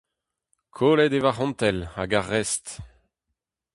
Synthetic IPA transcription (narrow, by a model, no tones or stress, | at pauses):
kʰoːlɛd̪evaʁɔ̃nt̪ɛlaɡaʁːɛst̪